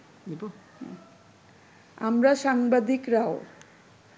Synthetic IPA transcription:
d̪ibo̰ | a̰mɾaʃaŋbad̪ikɾao

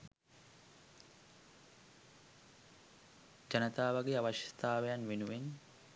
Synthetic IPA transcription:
d͡ʒɐnɐt̪aːʋɐɡeaʋɐʃi̥st̪aːʋejɐnʋenuʋen

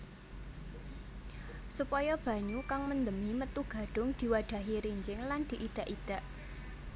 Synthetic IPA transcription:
supɔjɔb̥ä̤ɲukaŋmənd̪əmimət̪uɡ̥ä̤ɖ̥ʊ̤ŋd̪̥i̤waɖ̪̥ä̤ɦiɾiɲd͡ʒɪŋland̪̥i̤ʔid̪̥a̤ʔid̪̥a̤ʔ

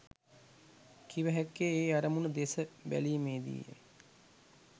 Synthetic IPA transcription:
kʰiʋəɦækːeeːaɾəmunəd̪esəbæ̰liːmeːd̪ḭːjə̰

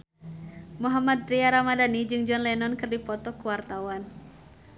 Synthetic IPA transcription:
muɦamad̪̚ɾiaɾamadanid͡ʒɨŋd͡ʒɔnlɛnɔnkɨrdipɔt̪ɔkuwart̪awan

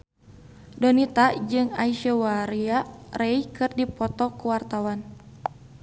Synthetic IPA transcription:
dɔnit̪ad͡ʒɨŋaiʃəwaɾiarejkɨrdipɔt̪ɔkuwart̪awan

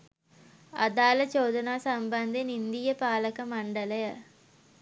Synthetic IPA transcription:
ɐd̪aːlɐt͡ʃoːd̪ɐnaːsɐmbɐnd̪enind̪ijəpaːləkəmɐɳɖɐləjə

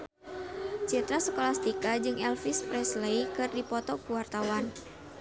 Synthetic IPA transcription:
t͡ʃit̪ɾasəkolast̪ikad͡ʒɨŋɛlfispɾɛslejkɨrdipɔt̪ɔkuwart̪awan

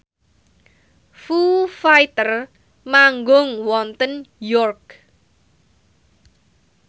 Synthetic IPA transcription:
fufajt̪ər | maŋɡʊŋwɔnt̪ənjɔrk̚

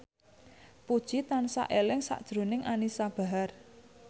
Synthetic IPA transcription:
pud̥ʒ̥it̪ansa̰ʔelɪŋsa̰ʔd̥ʒ̥ɾonɪŋanisab̥a̤ɦar

